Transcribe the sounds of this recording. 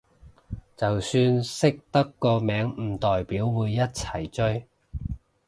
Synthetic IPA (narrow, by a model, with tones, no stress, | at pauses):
t͡sɐ˨wsyː˧nsɪ˥k̚t̪ɐ˥kːɔː˧mɛː˨˧˥ŋm̩˨˩t̪ɔː˨jpiː˨˥wwuː˨˧jːɐ˥t̚t͡sʰɐ˨˩jt͡ʃɵ˥ɥ